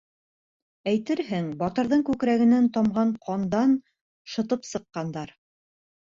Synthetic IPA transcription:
æjt̪ɘɾɦɘŋbɒt̪ɤ̆ɾðɤɴkʉkɾæɡɘ̆nænt̪ɒmʁɑɴqʰɑnd̪ɑn | ʃɤ̆t̪ɤpsɤ̆qːɑnd̪ɑɾ

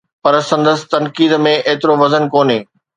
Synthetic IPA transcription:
pɐɾsɐ̃nd̪əsɪ̥̆t̪ɐnkiːd̪mẽʔeːt̪ɪɾoʋɐzənkoːneː

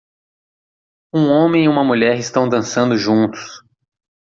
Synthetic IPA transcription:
ũõmẽj̃iũmɐmuʎɛɾɪst̪ɐ̃w̃d̪ɐ̃sɐ̃nd̪ʊʒũnt̪ʊ̥s

